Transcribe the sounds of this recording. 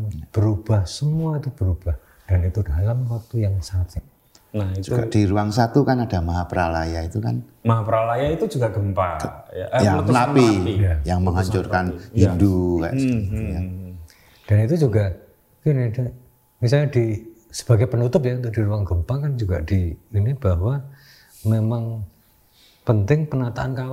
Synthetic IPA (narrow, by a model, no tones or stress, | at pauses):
b̥əɾub̥ahsəmuait̪ub̥əɾub̥ah | d̥anit̪udalamwak̚t̪ujaŋsat̪ɪ | nahitd͡ʒuuɡa̰d̥iɾuaŋsat̪ukanadamaɦapəɾalajait̪uka̰n | maɦapəɾalajait̪ud͡ʒuɡaɡəmpaja̰janapiijajaŋməŋaɲt͡ʃʊrkanhinduka̰ʔsja | d̥anit̪ud͡ʒuɡa | kinɪda | mis̬alɲadi | sə̥b̥aɡajpənut̪ʊp̬jaunt̪ʊkd̥iɾuaŋɡəmpakand͡ʒuɡad̥iːnib̥aɦwa | memaŋ | pənt̪ɪŋpənat̪aʔankawa